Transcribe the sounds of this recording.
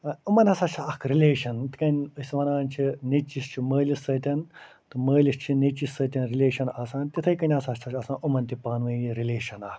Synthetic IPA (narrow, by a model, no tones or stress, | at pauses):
umɐnɐsat͡ʃʰɐkʰɾilʲeːʃɐnt̪ikɐnʲɨsʋɐnaːnʲt͡ʃʰinit͡ʃist͡ʃʰiməːlʲisɐːt̪ʲɐn | t̪ɨməːlʲist͡ʃʰinit͡ʃisɐt̪ʲɐnɾilʲeːʃɐnɐsãːnt̪ʲit̪ʰɐjkɐnʲasaːʃt̪ʰɐt͡ʃʰɐsãːʔumɐnʲt̪ipaːnʋɐiɾilʲeːʃɐnɐhk